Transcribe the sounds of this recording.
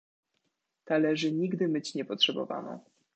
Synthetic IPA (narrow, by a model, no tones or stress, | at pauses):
t̪alɛʐɘɲiɡd̪ɘmɘt͡ɕɲɛpɔtʂɛbɔ̰va̰na̰